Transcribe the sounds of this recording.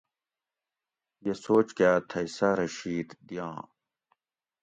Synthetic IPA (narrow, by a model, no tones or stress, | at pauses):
jesoːt͡ɕkaːt̪ʰɐjsɐɾɐɕiːd̪d̪ijãː